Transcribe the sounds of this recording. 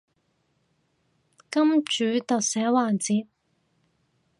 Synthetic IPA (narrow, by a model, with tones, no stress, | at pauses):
kɐ˥mt͡ʃyː˨˥t̪ɐ˨k̚sɛː˨˥waː˨˩nt͡siː˨p̚